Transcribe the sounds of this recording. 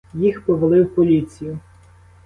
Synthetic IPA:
jixpɔʋɐlˠɪwpɔlʲit͡sʲijʊ

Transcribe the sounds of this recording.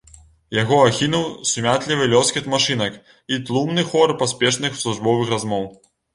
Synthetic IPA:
jaɣɔaxʲinuwsumʲat̪lʲivɨlʲɔskʲit̪maʂɨnɐk | it̪lˠumnɨxɔrpasʲpʲɛʂnɨxsˠuʐbɔvɨxrazmɔw

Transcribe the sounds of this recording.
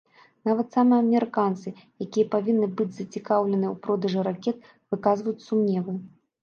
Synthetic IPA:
navɐt̪samɨɐmʲɛɾɨkant̪sɨ | jakʲijɐpavʲinːɨbɨd͡zʲzɐt͡sʲikawlʲɛnɨɛwpɾɔd̪ɐʐɨɾakʲɛt̪̚ | vɨkazvɐjut͡sʲsumnʲɛvɨ

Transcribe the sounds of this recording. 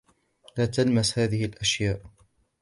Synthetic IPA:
laːt̪almashaːðɪhɪlʔaʃjaːʔ

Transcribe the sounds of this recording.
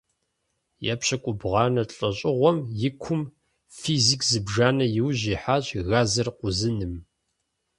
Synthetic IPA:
ja̰pɕɐkʷʼʊbʁɑːnɐɬʼɐɕʼɪʁʷɔmjɪkʷʰʊm | fiːzikʰzɨbʐaːnɐjɪwʑiːħaːɕʼɣaːzɐrqʷʊzɨnɨm

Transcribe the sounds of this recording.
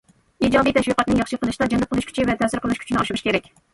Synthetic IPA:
id͡ʒɑd̪ijt̪ʰɛʃiqɑt̪nɨŋjɑχʃəqʰəlˠɨʃd̪ɑd͡ʒɛnp̚ʰəlˠuʃkʲʰy̥t͡ʃʰɪvɛt̪ʰɛfsɪɾqʰəlˠɨʃkʰʲy̥t͡ʃʰinɪɑʃʃkʲʰeɾɛkʲ

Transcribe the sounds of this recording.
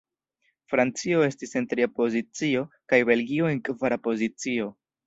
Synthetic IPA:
fɾant͡sio̞e̞stise̞ntɾiapo̞zit͡sio̞kajbe̞lɡio̞e̞ŋkvaɾapo̞zit͡sio̞

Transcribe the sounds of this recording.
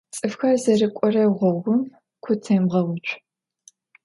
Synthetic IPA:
t͡sʼɨfxɐzɐrɨkʷʼɔrɐʁʷɔʁʷʊm | kʷʰʊtʰɐmʁɐwʊt͡ʃʷʰʼ

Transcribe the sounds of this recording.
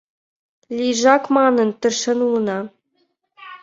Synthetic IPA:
lʲiʐɑkmɑnɤ̆nt̪ɘ̆rʃɘ̆nulˠɤ̆nɑ

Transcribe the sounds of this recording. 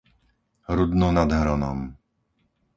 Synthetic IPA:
ɾud̪nɔnad̪ɦɾɔnɔ̰m

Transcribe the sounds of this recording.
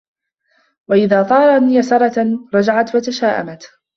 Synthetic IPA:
waʔɪðaːt̪ˤɑːɾˤɑniːjasɑɾˤɑt̪aɾˤɑd͡ʒaʕat̪wat̪aʃaːʔa̰mat̪

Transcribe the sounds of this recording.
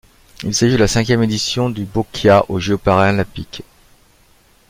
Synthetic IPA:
ilsaʒid̪əlasɛ̃kʲjɛmed̪isjɔ̃d̪ybɔkʲʰjaʔoʒeɔpaʁeɛ̃lɛ̃pik

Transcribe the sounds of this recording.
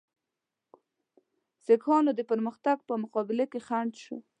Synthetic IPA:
sekʰɑnod̪əpəɾməxt̪aɡ̚pəmʊqɑbɪlakexaɳɖʃo̰

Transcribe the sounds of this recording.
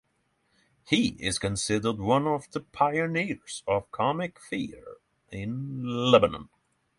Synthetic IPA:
hiɪ̰z̥kɨ̃nsɪdə˞d̚wʌ̃nʌvðəpʰaɪɨnɪɹz̥ʌv̥kʰɑmɪkfiɹ | ɪ̃nlɛbənə̰̃n

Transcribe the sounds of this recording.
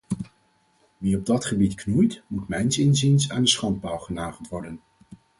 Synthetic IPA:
ʋiɔb̚dɑtχəbitknujtmutmɛjnsɪnzɪnsa̰ːndəsχɑnt̚baːlˠχənaːχəlˠtʋɔɹdən

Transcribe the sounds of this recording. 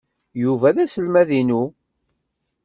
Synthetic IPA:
juvæðæsəlmæðinu

